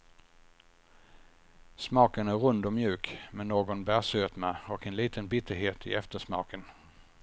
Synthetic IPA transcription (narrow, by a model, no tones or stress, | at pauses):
smɑːkənæɾɾɵnd̪ɔmjʉ̟ːkmɛnːoːɡɔnbæːsøːt̪mɛɔkɛnliːt̪ʰənbɪt̪ʰːəɾɦeːt̪ɪ̰ɛft̪əʂmɑ̰ːkən